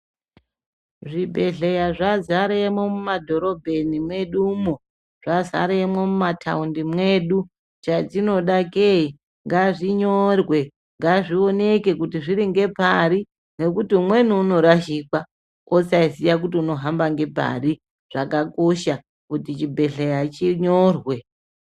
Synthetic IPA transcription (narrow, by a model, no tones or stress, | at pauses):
ʐibʱe̞ɮejaʐazaɾeemwomumadʱo̞ɾo̞bʱe̞nimwe̞ɗumo | ʐ̥aza̰ɾeemwomumatʰa̰undimwe̞ɗu | t͡ʃat͡sino̞ɗakei | ŋɡaʐiɲorwe̞ | ŋɡaʐio̞ne̞ke̞kutiʐiɾiŋɡe̞paɾi | ne̞kutiumwe̞nuːno̞ɾaʃiːkwa | osaisijak̬utiuno̞ɦambaŋɡe̞pa̰ri | ʐ̥akako̞ʃa | kutit͡ʃibʱe̞ɬejat͡ʃiɲorwe̞